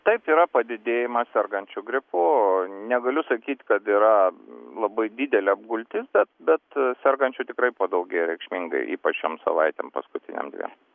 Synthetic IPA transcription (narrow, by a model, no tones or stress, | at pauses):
t̪ɐɪpiːɾɐpɐd̪ʲɪd̪ʲeːjɪmɐsʲɛrɡɐnʲt͡ʃʲʊɡɾʲɪpʊnʲɛɡɐlʲʊsɐkʲiːt̪ʲkɐt̪iːɾɐlˠɐbɐɪd̪ʲɪd̪ʲɛlʲɛɐb̚ɡʊlʲt̪ʲɪsbʲɛt̪̚bʲɛt̪sʲɛrɡɐnʲt͡ʃʲʊt̪ʲɪkɾɐɪpoːd̪ɐʊɡʲɛɪɾʲɛɪkʃʲmʲiŋɡɐ̰ɪʔḭːpɐt͡ʃʃoːmsɐ̰ʋɐɪt̪ʲḛmpɐ̰skʊt̪ʲɪnʲḛmd̪ʲʋʲḛːm